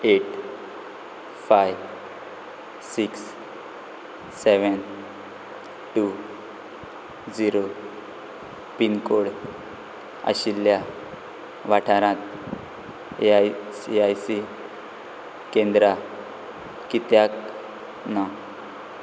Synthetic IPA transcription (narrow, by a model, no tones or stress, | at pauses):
eʈ | fajʋ | siks | eʋən | ʈu | d͡ziɾo | pinkoɽ | ə̰ɕilːja | ʋaʈʰaɾãt̪̚ | e | ajsi | kẽnd̪ɾa | kit̪jak | nə